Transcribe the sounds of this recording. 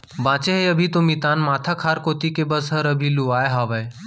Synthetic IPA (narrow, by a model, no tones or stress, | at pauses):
bãːt͡ʃeɦeɐbʱit̪omit̪aːnmaːt̪ʰakʰaːɾkoːt̪ikebəsɦəɾɐbʱiluaːeɦaːʋəe